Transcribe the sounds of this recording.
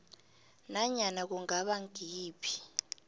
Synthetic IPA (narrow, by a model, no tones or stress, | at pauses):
naɲanak̬uŋaɓaŋɡʱiːpʰi̥